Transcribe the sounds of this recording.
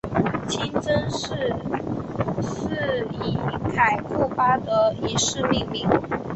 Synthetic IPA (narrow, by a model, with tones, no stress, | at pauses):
t͡ɕʰi˥nt͡sə˥nʂɻ̩˥˧ | s̩˥˩i˧˩˦k̪ʰa˨˩ɪkʰu˥˩pa˥d̪ə˨i˨˩ʂɻ̩˥˧li˥˩ŋmi˧˥˦ŋ